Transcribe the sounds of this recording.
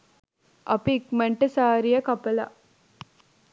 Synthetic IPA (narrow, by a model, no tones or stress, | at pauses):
ʔɐpikmeɳʈɨsaːɾijɐkɐpɐla̰